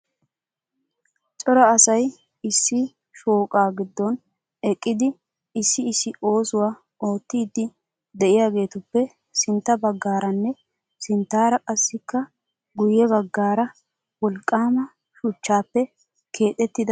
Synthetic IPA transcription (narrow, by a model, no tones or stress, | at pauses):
t͡ʃʼɔɾɐːsɐj | ɪsːɪ | ʃoːkʼaːɡɪd̪ːɔn | ɛkʼːɪd̪ɪ | ɪsːɪːsɪʔo̞ːsʊwaː | o̞ːt̪ːiːd̪ːɪ | d̪ɛʔɪjaːɡe̞ːt̪ʊpːɛ | sɪnt̪ːɐbɐɡːaːɾɐnːɛ | sɪnt̪ːaːɾɐkʼɐsːɪkːɐ | ɡʊjːɛβɐɡːaːɾɐ | wɔlkʼːaːmɐ | ʃʊt͡ʃːaːpːɛ | kʰe̞ːt̪ʼɛt̪ːɪd̪ɐ